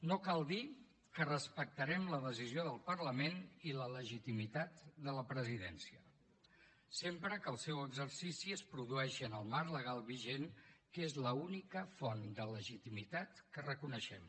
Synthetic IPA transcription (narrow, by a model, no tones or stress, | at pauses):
nokalˠd̪i | kərəspək̚t̪əɾɛmləðəzizioðəlˠpəɾləmenilələʒit̪imit̪at̪d̪ələpɾəziðɛ̰nsiə | sempɾəkəlˠsɛwəɡzəɾsisiəspɾuðuɛʃənəlˠmarləɣ̞alˠβiʒenkezləunikəfɔnd̪ələʒit̪imit̪at̪kərəkunəʃɛm